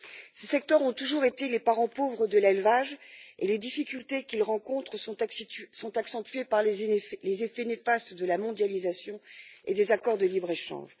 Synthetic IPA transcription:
sesɛk̚t̪œʁɔ̃t̪uʒuʁet̪elepaʁɑ̃povʁəd̪əlɛlvaʒeled̪ifikʲylt̪ekʲilʁɑ̃kɔ̃t̪χə̃ | sɔ̃t̪aksɑ̃t̪ɥepaʁllezefɛnefast̪d̪əlamɔ̃d̪jalizasjɔ̃ḛd̪ezakɔʁd̪əlibʁeʃɑ̰̃ʒ

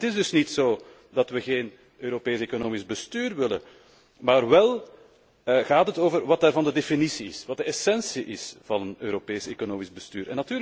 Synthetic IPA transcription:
ətɪzdɵsnitsoː | dɑtʋəɣeːn | øːɾopeːsekonoːmɪzbəstyːrʋɪlə̰ | maːrβɛlˠ | ɣaːtɦətoːvərʋɑt̚daːrvɑndədefinisiɪ̰sʋɑt̚dəɛsɛnsiʔɪsv̥ɑnənøːɾopeːseːkonoːmizbəsty̰ːɾʔɛnːɑtyːɾ

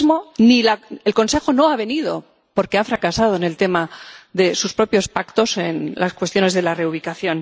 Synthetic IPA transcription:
zmonilaelko̞nse̞xo̞no̞aβ̞e̞nið̞o̞ | po̞ɾkeafɾakasað̞o̞ene̞lt̪e̞maðe̞suspɾo̞pjo̞spakt̪o̞se̞nlʔaskwe̞st̪jo̞ne̞zðe̞lare̞uβ̞ikaθjo̞n

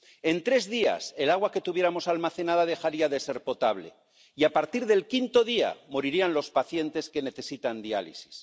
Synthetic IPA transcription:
e̞nt̪ɾe̞zðia̰se̞laɣ̞wake̞t̪uβje̞ɾamo̞salmaθe̞nað̞að̞e̞xaɾiaðe̞se̞ɾpo̞t̪aβ̞le̞̰ | iapaɾt̪iɾðe̞lkint̪o̞ðia̰mo̞ɾiɾianlo̞spaθje̞nt̪e̞ske̞ne̞θe̞sit̪and̪ia̰lḭsi̥s

